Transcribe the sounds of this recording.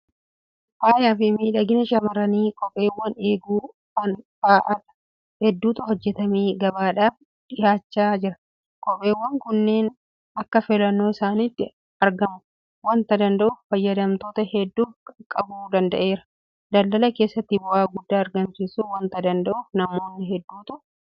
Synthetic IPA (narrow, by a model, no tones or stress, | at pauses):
ʔaːjaːfɪmiːᶑɐɡɪnɐʃɐmɐɾɐniːkʼɔpʼːe̞ːwːɐne̞ːɡuː | kɐnfaːʔɐt̪ɐ̥ | hɛd̪ːuːt̪ɐhɔd͡ʒːɛt̪ɐmeːɡɐbaːᶑaːf | ᶑ̪ɪjaːt͡ʃːaːd͡ʒɪɾɐ | kʼɔpʼːe̞ːwːɐŋkʊnːe̞ːn | ɐkːɐfɪlɐnːo̞ːɪsaːnit̪ːɪ | ɐɾɡɐmʊ | wɐnt̪ɐd̪ɐnd̪ɐʔʊffɐjːɐd̪ɐmt̪o̞ːt̪ɐhɛd̪ːuːkʼɐbuːd̪ɐnd̪ɐʔe̞ːɾɐ̥ | d̪ɐldɐlɐke̞ːsːɐt̪ːɪbʊʔaːɡʊd̪ːaːɐɾɡɐmsisuwɐnt̪ɐd̪ɐnd̪ɐʔʊfnɐmo̞ːnːɪɦɛd̪ːuːt̪ʊ